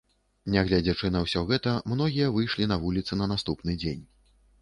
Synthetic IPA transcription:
nʲaɣlʲad͡zʲat͡ʂɨnɐwsʲɔɣɛt̪ɐmnɔɣʲijɐvɨjʂlʲinɐvulʲit̪sɨnɐnast̪upnɨd͡zʲenʲ

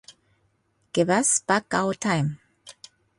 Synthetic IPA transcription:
ɡ̥ɪvasb̥akawətʰãɪ̃m

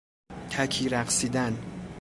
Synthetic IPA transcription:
c̪ʰækʰiːɾæqsiːd̪æn

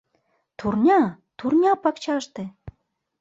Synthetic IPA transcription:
t̪urnʲɑ | t̪urnʲɑpɑkt͡ɕɑʃt̪e

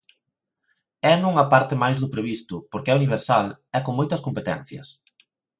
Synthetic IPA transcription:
ɛnũŋɐpaɾt̪ɪmajzðʊpɾeβ̞ist̪ʊpoɾkɪɛuniβ̞eɾsalɛkoŋmojt̪ɐskompet̪ɛ̰n̟θjɐ̰s

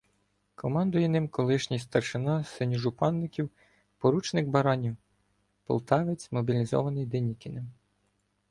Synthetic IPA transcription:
kʰɔmɑnd̪ʊjɛnɪmkɔlˠɪʃnʲijst̪ɐrʃɪnɑsɪnʲiʒʊpɑnːɪkʲiw | pɔɾut͡ʃnɪkbɐɾɑnʲiw | pɔ̰lˠt̪ɑʋɪt͡sʲmɔbʲilʲizɔ̰ʋɐnɪjd̪enʲikʲɪnɪm

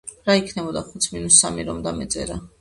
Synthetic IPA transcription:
ɾaikʰnɛbɔd̪aχut̪sʰminusːamiɾɔmd̪amɛt̪sʼɛ̰ɾa

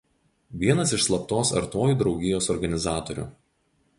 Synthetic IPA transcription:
ʋʲiɛnɐsɪʃslˠɐp̚t̪oːsɐ̰ɾt̪oːjuːˑd̪ɾɒʊɡʲɪjoːsɔɾɡɐnʲɪzɑːt̪ɔɾʲṵːˑ

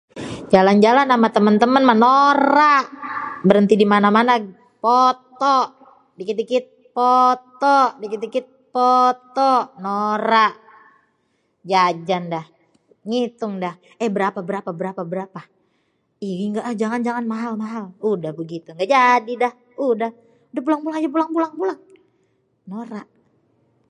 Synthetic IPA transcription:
d͡ʒaland͡ʒalanːamat̪əmənt̪əmənmanoɾaʔbəɾənt̪idimanamana | poɔt̪ɔʔ | dikit̪ikit̪̚pɔt̪ɔʔdikit̪ikit̪̚pɔt̪ɔʔnoɾaʔ | d͡ʒad͡ʒandah | ŋit̪ʊŋdah | ɛhbəɾapabəɾapabəɾapabəɾapa | iniŋɡaʔd͡ʒaŋand͡ʒaŋanmaɦalmaɦaludahbəɡit̪uŋɡaʔd͡ʒadidah | udah | dahpulaŋbulaŋd͡ʒap̬ulaŋbulaŋbulaŋ | noɾaʔ

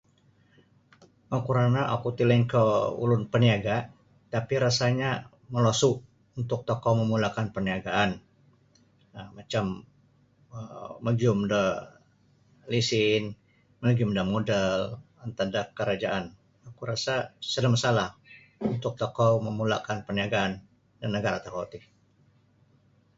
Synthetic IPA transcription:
məkuɾanaʔakut̪iləŋkəṵlʊnpəniaɡa | t̪apiɾasaɲa | məlosu | unt̪ʊk̚t̪okɔməmulakanpəniaɡaʔan | əmat͡ʃam | əməd͡ʒʊmdə | lisɪn | məd͡ʒʊmdamodal | ant̪adakəɾad͡ʒaʔan | akuɾasasədamasalah | unt̪ʊk̚t̪ɔkɔməmula̰kanpərniaɡaːn | danəɡaɾat̪akot̪ɪ

